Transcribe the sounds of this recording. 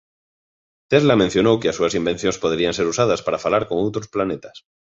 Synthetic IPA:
t̪ezlamẽn̟θjo̞nowkeasuasimbe̞n̟θjonspoðɾianseɾusað̞aspaɾafalaɾkoŋowt̪ɾosplanet̪ḁs

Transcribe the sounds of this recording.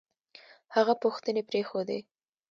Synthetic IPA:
haɣapuxt̪ənepɾexod̪ḛ

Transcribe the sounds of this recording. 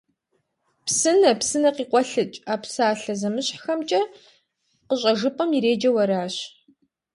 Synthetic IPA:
psɨnɐpsɨnɐqiːqʷɔɬɨt͡ʃʼaːpsaːɬɐzɐmɨɕħxɐmt͡ʃʼɐ | qəɕʼɐʒɨpʼɐmiɾeːd͡ʒɐwɐɾaːɕ

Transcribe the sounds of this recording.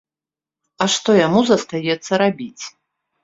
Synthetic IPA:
ɐʂt̪ɔjamuzɐst̪ajɛt̪sːɐɾabʲit͡sʲ

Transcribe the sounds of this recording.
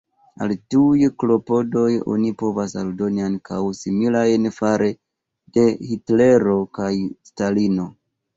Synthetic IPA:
a̰ltujklo̞po̞do̞jo̞̰nipo̞vasaldo̞niaŋkʰawsimilajnfaɾʔe̞ | d̥e̞hitle̞ɾo̞kajstalino̞

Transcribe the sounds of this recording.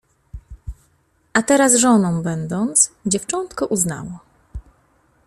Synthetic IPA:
ʔat̪ɛɾasʐɔnɔ̃w̃bɛnd̪ɔnt̪sd͡ʑɛft͡ʂɔnt̪kɔʔuzna̰wɔ

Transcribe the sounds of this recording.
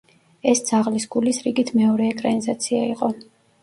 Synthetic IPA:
ɛsd̪z̥aʁlisɡulisɾiɡit̪ʰmɛɔɾɛːkʼɾanizat̪sʰiaiqʼɔ

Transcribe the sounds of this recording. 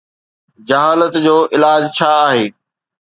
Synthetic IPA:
d͡ʑɐɦaːlət̪d͡ʑoːʔɪlaːd͡ʑt͡ɕʰaːɦeː

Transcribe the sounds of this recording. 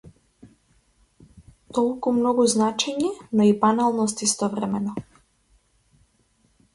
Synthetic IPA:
t̪ɔlˠkumnɔɡuznat͡ʃɛɲɛnɔibanalˠnɔst̪ist̪ɔvɾɛmɛnɔ

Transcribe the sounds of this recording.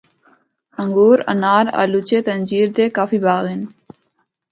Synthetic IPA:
ɐŋɡuːɾɐ̰naːɾa̰lut͡ɕeːt̪ənd͡ʑiːɾd̪eːkaːfiːbaːɣen

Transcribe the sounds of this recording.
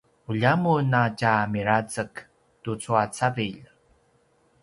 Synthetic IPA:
uʎamunacamiɾat͡sək | tut͡suat͡saviʎ

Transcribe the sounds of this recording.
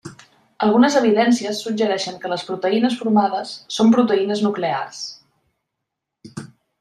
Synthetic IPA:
əlˠɣ̞unəzəβ̞iðɛnsiəsːud͡ʒəɾɛʃəŋkələspɾut̪əinəsfuɾmaðəsːompɾut̪əinəznuklea̰rs

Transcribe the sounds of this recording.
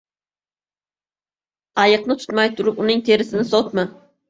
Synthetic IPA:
ɑjɨq̚nɨt̪ʰu̥t̪mɑjt̪ʰuɾupunɪŋt̪ʰeɾɪsɪnɪsot̪mɨ

